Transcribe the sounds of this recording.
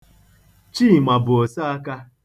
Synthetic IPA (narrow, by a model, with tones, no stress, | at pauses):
t͡ʃi˦˨ma˨bʊ˨o˨sa˦a˦ka˦